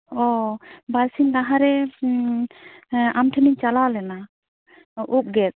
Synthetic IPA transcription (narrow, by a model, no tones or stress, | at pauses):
ɔbalsindaɦaɾɛ | amʈʰɛmiɲt͡ʃalalɛna | ʔup̚ɡɛt̚